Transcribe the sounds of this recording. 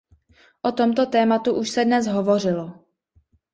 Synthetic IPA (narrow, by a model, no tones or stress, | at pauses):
ʔot̪o̞mt̪o̞t̪ɛːmat̪uʔuʃsɛdnɛsɦovo̞r̝ɪlo